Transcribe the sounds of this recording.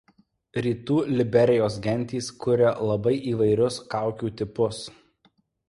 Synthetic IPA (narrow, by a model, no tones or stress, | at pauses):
ɾʲiːt̪uːlʲɪbʲɛɾʲɪjoːsɡʲɛnʲt̪ʲiːskʊɾʲɛlˠɐbɐɪʔiːʋɐɪɾʲʊskɑˑʊkʲuːt̪ʲɪpʊs